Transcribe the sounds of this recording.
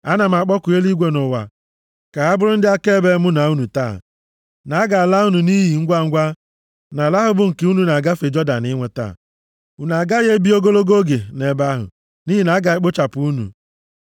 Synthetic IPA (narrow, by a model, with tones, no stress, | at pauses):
a˦na˨m̩˨a˨k͡pɔ˦kʊ˨e˦li˦ɡʷe˨nʊ˨wa̰˨ | ka˨ɦa˦bʊ˦ɾʊ˦n̩˦dɪ˦a˦ke˦be˦mʊ˦na˨u˦nu˨ta̰ː˦˨ | na˨˦ɡa˨a˨la˦u˦nu˨ni˦ɦi˨ŋ̩˦ɡʷa˦˨ŋ̩˦ɡʷa˦ | na˨la˦ɦʊ˦bʊ˨ŋ̩˨ke˨˦u˦nu˨na˨ɡa˦fe˨d͡ʒɔ˦da˨nɪ˦ŋʷe˨ta̰˦˨ | u˨na˨ɡa˦ɣe˦bi˦o˦ɡo˦lo˦ɡo˦ɡe˨ne˨ba˦ɦʊ̰˨ | ni˦ɦi˨na˨a˦ɡa˨e˦k͡po˦t͡ʃa˨pʊ˨˦u˦nṵ˨